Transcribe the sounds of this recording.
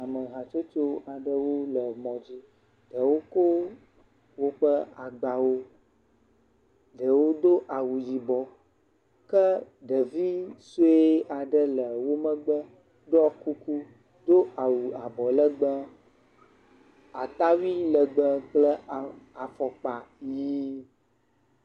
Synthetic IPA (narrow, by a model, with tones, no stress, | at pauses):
a˨mə˨ɦa˨t͡ʃo˦t͡ʃo˦a˨ɖə˦wo˦lə˨mɔ̃˨d͡ʑi˦ | ɖə˨wo˦ko˦ | wo˦k͡pə˦a˨ɡ͡ba˨wo˦ | ɖə˨wo˦d̪o˦ʔa˨wu˨ji˨bɔ˨ | kə˦ | ɖə˨vi˦su˦e˦a˨ɖə˦lə˨wo˦mə˦ɡ͡bə˦ | ɖɔ˦ku˦ku˦ | d̪o˦ʔa˨wu˨a˨bɔ˨lə˦ɡ͡bə˦ | a˨t̪a˦wi˦lə˨ɡ͡bə˦klə˦˨a˨fɔ˨k͡pa˨ji˦